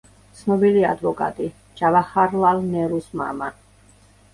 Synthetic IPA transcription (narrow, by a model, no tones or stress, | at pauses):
t̪sʰnɔbilia̰d̪vɔkʼa̰t̪ʼi | d͡ʒavaχaɾlalnɛɾusma̰ma